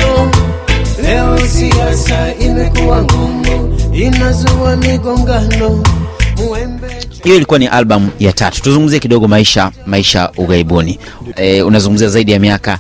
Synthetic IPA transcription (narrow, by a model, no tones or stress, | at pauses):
lɛɔsiasaimɛkuwaŋɡumuinazuwamiɡɔŋɡanɔmuɛmbɛhijɔilikuwaniʔalɓamujatatu̥tuzuŋɡum̩ziɛkiɗɔɠɔmaiʃamaiʃauɣaiɓuni | unazuŋɡum̩ziazaiɗijamiaka